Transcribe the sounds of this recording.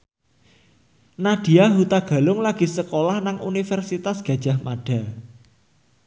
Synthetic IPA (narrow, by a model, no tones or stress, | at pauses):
naɖ̥i̤aɦut̪aɡ̥a̤lʊŋlaɡ̥i̤səkolahnaŋṵnifɛrsit̪asɡ̥a̤d̥ʒ̥a̤hmaɖ̥a̤